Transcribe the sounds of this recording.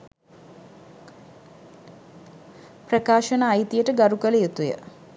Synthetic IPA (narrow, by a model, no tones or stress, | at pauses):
prɐkaːʃɐnaːjt̪ijəʈəɡaɾukələjet̪ujə̰